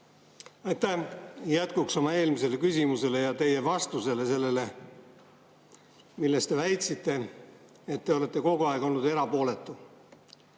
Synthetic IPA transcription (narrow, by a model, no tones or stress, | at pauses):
ɑjt̪ːæhjæt̪kukso̞mɑe̞ːlmise̞lekysʲimuse̞le̞jɑt̪e̞je̞vɑst̪use̞le̞se̞lːe̞le̞ | milːe̞st̪e̞væjt̪sit̪ˑːe̞ | et̪ːe̞o̞le̞t̪ːˑe̞ko̞ɡuɑeɡ̥o̞lnud̪e̞ɾɑpo̞ːle̞t̪ːˑu